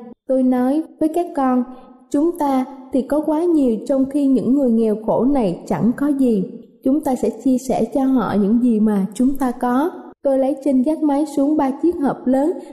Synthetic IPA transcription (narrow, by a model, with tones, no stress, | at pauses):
t̪o˧jnɔ˨˦jvəː˨˦jkaː˦˥kːɔ˧nt͡ɕʊ˨˦ŋ͡mt̪aː˧t̪ʰi˨˩kɔ˨˦kwaː˨˦ɲi˨˩əwt͡ɕɔ˧wŋ͡mxi˧ɲɨ̰˧˥ŋːɨ˨˩əjŋɛ˨˩wxo˧˩na˨˩jt͡ɕa̰˧˩ŋkɔ˨˦zi˨˩t͡ɕʊ˨˦ŋ͡mt̪aː˧sɛ̰˧˥t͡ɕi˧əsɛ̰˧˩t͡ɕɔ˧ɦɔ̰˧˨ɲɨ̰˧˥ŋzi˨˩maː˨˩t͡ɕʊ˨˦ŋ͡mt̪aː˧kɔ˨˦ | t̪o˧jlə˨˦jt͡ɕï˧ŋzaː˦˥t̚ma˨˦jsu˨˦əŋɓaː˧t͡ɕi˦˥ət̚həː˨˩p̚ləː˨˦n